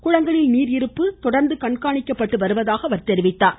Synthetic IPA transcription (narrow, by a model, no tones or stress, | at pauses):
kʊɻɐŋɡɐɭɪlniːɾɪɾɯpːɯt̪ɔɽɐɾnd̪ɯkɐɳkaːɳɪkːɐpːɐʈːɯʋɐɾɯʋɐðaːɣɐʋɐɾt̪ɛɾɪʋɪt̪ːaːɾ